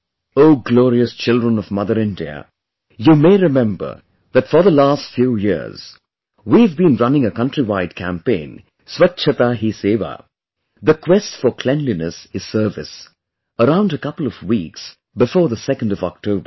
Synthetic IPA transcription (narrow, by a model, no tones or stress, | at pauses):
oʊɡlɔːɹiɨst͡ʃʰɪlˠdɹə̃nʌvmʌðə˞ɪ̃ndiə̰ | jumeɪɹɨmɛ̃mbə̰˞ | ðɨtfə˞ðəlastfjujɪ̰ɹz̥ | wiɨvbĩnɹʌnɪ̃ŋəkʌ̃ntɹ̥iwaɪd̚kʰæ̰̃mpẽɪ̃n | swʌtt͡ʃʰɨt̪aɦiseːva̰ | ðɨkʰwɛstfə˞kʰl̥ɛ̃nlinəsɨz̥sɜ˞vɨ̰s | əɾãʊ̃ndəkʌpl̩ˠʌvwiks | bɨfɔːɹðəsɛkə̃n̩dʌvɔ̰k̚tʰoʊbə